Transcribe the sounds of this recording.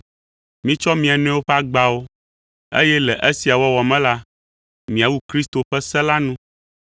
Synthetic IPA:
mĩ˦t͡ʃɔ˦mĩ˦a˨n˦ɛ̃˦wo˦ɸɛ˦a˦ɡ͡ba˨wo˦ | ḛ˦jɛ˦lɛ˨ʔe˦si˨a˨wɔ˦wɔ˨mɛ̃˦la˦ | mĩ˨a˨wu˦kɾi˦st̪o˨ɸɛ˦sɛ˦la˦nũ˦

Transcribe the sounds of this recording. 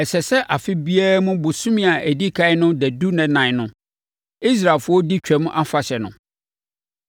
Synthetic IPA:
ɛ˨sɛ˨sɛ˦ʔa˨fɪ˦bi˦a˦ɾa˦mʊ̃˦bʊ˨sũ˦mĩ˦˨a˨ʔæ˨di˦kʰa˦ɪ˦nʊ̃˦dæ˨du˦nɛ̃˨nã˨nʊ̃˦ | i˦s̬ɾa˨lfʊ˦ɔ˦di˦t͡ɕᶣɛ˨m̃˦ʔa˦fa˨ɕɛ˨nʊ̰̃˨

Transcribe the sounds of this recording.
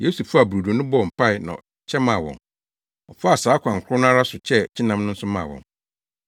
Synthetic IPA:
je˦su˨fu˦a˨bɾu˨du˨nʊ̃˦bɔ˦˨m̩˨pʰa˦ɪ˨nã̰˨ | t͡ɕʰɛ˦mã˨wɔ̰̃˨n | ɔ˨fa˦a˨saː˨˦kʷʰã˨ŋ̩˨kʰʊ˦ɾʊ˦nʊ̃˦a˦ɾa˦sʊ˨t͡ɕʰɛ˦t͡ɕʰi˦nã˨˦mnʊ̃˦n̩˦sʊ˦mã̰˨wɔ̰̃˨n

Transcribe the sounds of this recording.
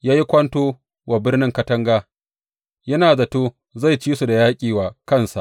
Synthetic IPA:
jaː˦ji˦kʷɐ˦ntoː˦ | waː˨bɪ˦rnɪ˦ŋkɐ˦tɐ˦ŋɡaː˦ | jɐ˦naː˨za˨toː˦ | za˦˨jt͡ʃiː˦su˨da˨jaː˦kʲʼiː˨waː˨kɐ˦nsa̰˨ʔ

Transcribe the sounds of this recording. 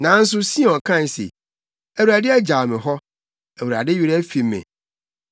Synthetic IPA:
nã˨˦n̩˦s̬ʊ˦sĩ˦ɛ˨ɔ˨kʰã˦˨sḛ˨ | æ˨wu˨ɾa˨dɪ˦æ˦d͡ʑa˨mɪ̃˨ɦɔ˦ | æ˨wu˨ɾa̰˨dɪ˦ji˨ɾɛ˦fi˨˦mɛ̰̃˨

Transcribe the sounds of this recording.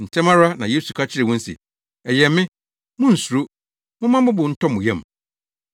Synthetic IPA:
n̩˨tʰɛ̃˦mã˦ɾa˦nã˨je˦su˨kʰa˦t͡ɕʰɪ˦ɾɪ˨wʊ̃˦n̩˦sḭ˨ | ɛ˨jɛ˨mːɪ̃˦ | mʊ̃˦n̩˨su˨ɾo˦ | mʊ̃˦mã˦mʊ̃˦bʊ̃˨˦n̩˦tʰɔ˦mʊ̃˨jɛ̃˦˨m˨

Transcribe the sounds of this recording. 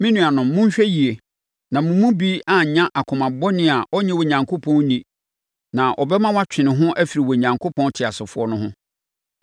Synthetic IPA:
mɪ̃˦nũ˨a˨nʊ̃˨mːʊ̃˦ɲ˦ɕᶣɛ˦ji˨e˨ | nã˨mʊ̃˨mũ˦biː˦a˦˨ɲã˦ʔa˨kʰʊ̃˨mã˨bɔ˦nɪ̃˦˨a˨ʔɔ˦ɲɛ̃˦wɔ˨ɲã˨ŋkʰo˦pʰɔ̃˦nnĩ˨ | nã˨ʔɔ˨bɛ˦mã˦wa˦t͡ɕᶣɪ̃˨nɪ̃˨ɦʊ̃˦ʔæ˦fi˨ɾi˨wɔ˨ɲã˨ŋkʰo˦pɔ̃˦n˦tʰɪ˨a˨sɪ˨fʊ˦ɔ˦nʊ̃˦ɦʊ̃˦

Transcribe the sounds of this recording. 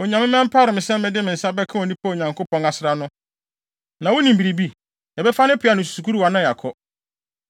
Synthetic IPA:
ɔ˨ɲã˨mɪ̃˦mɛ̃˦m̩˦pʰa˦ɾɪ̃˨mɪ̃˨sɛ̃˦m̩˦mɛ̃˦˨dɪ˦mɪ̃˨n̩˨sa˦bɛ˦kʰã˦ɔ˨nĩ˦pʰa˦˨ɲã˨ŋkʰo˦pʰɔ̃˦ŋa˨sɪ˦ɾa˦nʊ̃˦ | nã˨wʊ˦nĩ˨m̩˨bi˨ɾi˨bi˦ | ɛ˨bɛ˦fa˦nɪ̃˦pʰɪ˦a˦nʊ̃˨s̬u̥˨su˨kʰu˦ɾu˦wa˨nã˦ja˨kʰɔ˦

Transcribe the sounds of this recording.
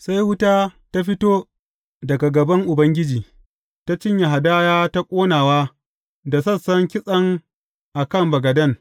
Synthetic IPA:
sa˦jhʊ˦taː˦ta˦ɸɪ˦toː˦ | dɐ˨ɡa˨ɡɐ˨bɐ˦ŋʔʊ˨bɐ˦ŋɡʲɪ˦d͡ʒiː˨ | ta˦t͡ʃɪ˦ɲja˨ɦa˨daː˦jaː˦ta˦kʷʼoː˦naː˨waː˦ | da˨sɐ˦˨sɐ˦ŋkʲɪ˦sʼɐ˦ŋ | ʔa˨kɐ˦˨mbɐ˨ɡɐ˨dɐ˦ŋ

